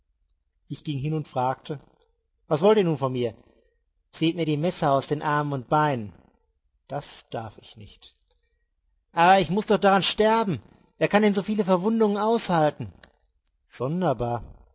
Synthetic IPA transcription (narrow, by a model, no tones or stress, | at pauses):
ʔɪçɡ̥ɪŋɦɪnʊntfʁ̥aːk̚tʰə | vasv̥ɔltiːɐnuːnfɔnmiːɐ | t͡seːtmiːɐdiːmɛsɐaʊsd̥eːnʔaɐmənʊnt̚b̥aɪnən | d̥asd̥aɐfɪçnɪçt | ʔaːbɐɪçmʊsd̥ɔχd̥aʁanʃtɛɐbm̩ | veːɐkʰandɛnzoːfiːləfɛɐvʊndʊŋənʔaʊshaltn̩ | z̥ɔndɐbaːɐ